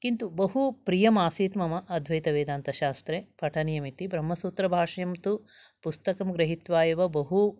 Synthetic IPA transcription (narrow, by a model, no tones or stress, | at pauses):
kint̪ubɐɦupɾijɐmaːsiːt̪mɐmɐʔːd̪ʱʋɐjt̪ɐʋeːd̪aːnt̪ɐʃaːst̪ɾeːpʰɐʈʰɐnjɐmit̪ibɾɐmːɐsuːt̪ɾɐbʱaːʂɐjɐmt̪u | pust̪ɐkɐmɡɾɐɦit̪ʋaːjɐʋɐbɐɦu